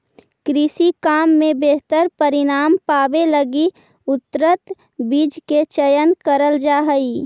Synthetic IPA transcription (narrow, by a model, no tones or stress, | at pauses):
kɾɪsikaːmːẽbeɦt̪əɾpəɾɪnaːmpaːbeləɡi | ʊt̪ɾət̪ | biːd͡ʒket͡ʃəjənkəɾəld͡ʒaːɦəi